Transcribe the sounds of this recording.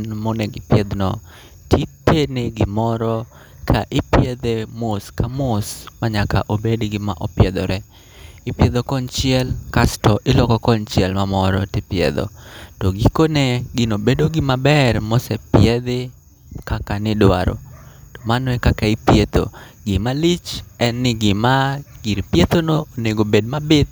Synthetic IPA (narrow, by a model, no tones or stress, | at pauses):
nmonɛɡɪpjɛd̪nɔ | tʰitːeneɡɪmɔɾɔ | kʰaʔɪpjed̪emoskamosmaɲaka̰ʔobedɡɪma̰ʔɔpjɛd̪ɔɾɛ | ɪpjed̪okɔnt͡ʃɪɛlkastɔʔɪlɔkɔkɔnt͡ʃɪɛlmamɔɾɔtɪpɪɛ̰d̪o̰tɔɡɪkoneɡɪnobedoɡɪmabɛrmosɛpjɛd̪ɪ | kakanɪdwa̰ɾo̰tɔ̥manɔɛkakaipjet̪o̰ɡɪmalit͡ʃɛnːɪɡɪmaɡɪɾpjet̪onoːneɡobed̚mabɪd̪̚